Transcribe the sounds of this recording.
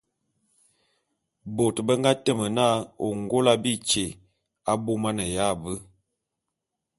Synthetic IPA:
bo˨tbə˦ŋɡa˦tə˦˨mə˨na˦o˨ŋɡo˦la˦bi˦t͡ʃe˨ | a˦bo˦ma˦nə˨ja˦˨bə˦

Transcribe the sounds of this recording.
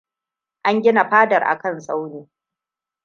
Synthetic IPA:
ʔa˦ŋɡʲɪ˦na˨ɸaː˦dɐ˨rʔa̰˨kɐ˦˨nsʼa˦wneː˨

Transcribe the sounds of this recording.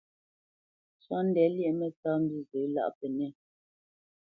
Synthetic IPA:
swa˦n̩˦dɛ˨˦ljɛ˦˨mɛ˦˨t͡saː˦m̩˦bi˦zə˨˦la̰˦˨ʔpɛ˨nɛ˦˨

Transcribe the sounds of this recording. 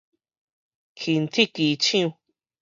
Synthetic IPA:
kʰi˨nt̪ʰi˦ki˨˦t͡ʃĩ˦ũ˧

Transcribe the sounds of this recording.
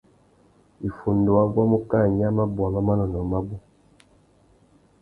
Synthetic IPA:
i˨fu˨ndo˨wa˦ɡwa˦mu˦ka˦˨ɲ˦a˦ma˦bɔ˨mɔ˦ma˦nɔ˨nɔ˨˦ma˦bu˦

